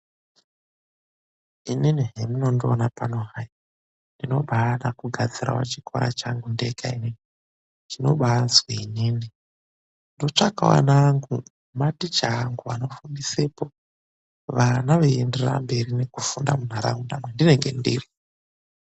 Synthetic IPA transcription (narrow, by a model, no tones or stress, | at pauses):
ininiɦemuno̞ndionapanoɦaja | ndino̞ɓaːɗakuɡʱad͡ziɾa̰wa̰t͡ʃikʰo̰ɾa̰t͡ʃaŋɡundekainini | dino̞ɓaazweinini | ndo̞t͡ʂaka̰wa̰naŋɡu | matit͡ʃaŋɡuano̞fundisepo̞ | ʋanaʋeenderra̰mbe̞rine̞kufundamun̤aɾa̰ŋundamwendineŋɡe̞ndḭri